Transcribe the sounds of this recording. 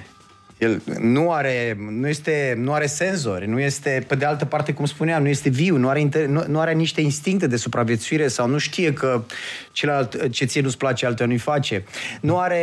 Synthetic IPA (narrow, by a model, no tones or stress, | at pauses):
jelnuaɾe̞nuje̞st̪e̞nuaɾe̞se̞nzo̞̰rʲnuje̞st̪e̞pe̞d̪ealt̪əpart̪e̞kumspuneamnuje̞st̪e̞viwnuaɾe̞int̪enunuaɾeaniʃt̪e̞inst̪iŋk̚t̪e̞d̪e̞supɾavje̞t̪suiɾe̞sawnuʃt̪ije̞kət͡ʃelalt̪t͡ʃet̪sijenusplat͡ʃealt̪eanujfat͡ʃe̞nuaɾe̞